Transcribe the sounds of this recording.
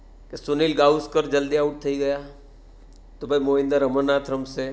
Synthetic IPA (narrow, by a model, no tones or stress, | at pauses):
kesʊniːlɡaːuskəɾd͡ʒɐld̪iaʊʈ̚t̪ʰɐiɡɐja | t̪obʱɐimoːɪ̃nd̪əɾɐmənːaːt̪ʰɾəmse